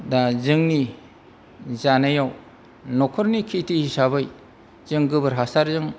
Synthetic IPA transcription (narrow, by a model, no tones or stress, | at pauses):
dazɯŋni | zanajaw | nɔkʰɔɾnikʰitʰihisabɯj | zɯŋɡɯbɯɾɦasaɾzɯŋ